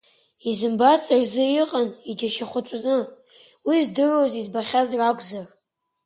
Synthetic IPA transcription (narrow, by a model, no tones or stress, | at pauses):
izɨmbat͡sʼarzɨjiqʼanid͡ʒaʃaχʷʊt͡ʃʷʼnɨ | wizdɨrozizbaχʲazrakʷʰʼzar